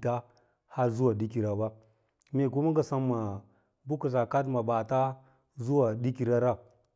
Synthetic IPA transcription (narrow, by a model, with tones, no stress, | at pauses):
ta˦ | ha˦ɾzu˦wa˨di˦ki˨ɾa˨ba˦ | me˦˨ku˦ma˦ɡa˨sa˦mːa˨ | bu˦ku˨s̬a˨ka˦t̬ma˨ba˨ta˦ | zu˦wa˨di˦ki˨ɾa˦ɾa˦˨